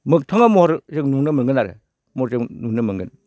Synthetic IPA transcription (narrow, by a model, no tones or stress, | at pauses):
mɯk̚tʰaŋamɔɾzɯŋnuŋnɯmɯŋɡɯnaɾḛ | mɔɾzɯŋnuŋnɯmɯŋɡɯn